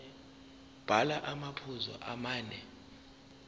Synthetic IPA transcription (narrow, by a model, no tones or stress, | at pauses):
b̥ʱalaʔamapʰuzɔ̰ʔamaːnɛ